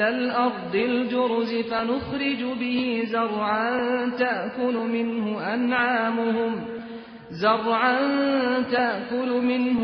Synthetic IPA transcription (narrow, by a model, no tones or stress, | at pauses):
alʔɑɾˤd̪ˤɪld͡ʒʊɾzɪfanʊxɾɪd͡ʒʊbɪhɪzɑɾˤʕant̪aʔkʊlʊmɪnhʊʔanʕaːmʊhʊm | zɑrˤʕant̪aʔkʊlʊmɪnh